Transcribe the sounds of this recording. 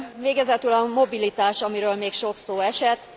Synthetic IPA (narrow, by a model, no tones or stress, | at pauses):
veːɡɛzɛt̪ylɒmo̞bilit̪aːʃɒmiɾøːlmeːkʃo̞ksoːɛʃɛt̪ː